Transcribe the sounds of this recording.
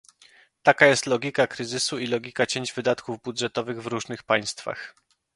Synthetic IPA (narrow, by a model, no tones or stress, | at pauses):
t̪akajɛst̪lɔɡʲikakɾɘzɘsuilɔɡʲikat͡ɕeɲd͡ʑvɘd̪at̪kuvbud̪ʐɛt̪ɔvɘɣvɾuʐnɘxpaj̃st̪fa̰x